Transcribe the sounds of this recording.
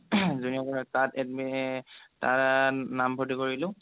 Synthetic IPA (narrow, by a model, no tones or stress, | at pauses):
zuniakɔnɔtatɛm | ta̰ɹnambʰʱotikoɹilʊ̃